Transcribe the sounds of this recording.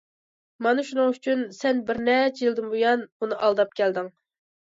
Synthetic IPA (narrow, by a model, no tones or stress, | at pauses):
mɑnɨʃunɨŋyt͡ʃʰynsɛnbɪɾnɛt͡ʃʰjilˠd̪ɨmbojɑnunɨʔɑlˠd̪ɑp̚kʲʰɛld̪ɪŋ